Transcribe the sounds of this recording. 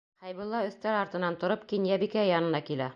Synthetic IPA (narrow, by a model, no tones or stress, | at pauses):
χæjbŏlˠːɑɵ̆θt̪æɾɑɾt̪ɤ̆nɑnt̪ŏɾɤpkinjæbikæjɑnɤ̆nɑkilæ